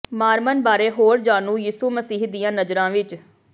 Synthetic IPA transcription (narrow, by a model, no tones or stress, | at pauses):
maːɾmənbaːɾeːɦoːɾd͡ʒaːnũːjiːsuːməsiːɦd̪ijãːnəzɾãːʋɪt͡ʃ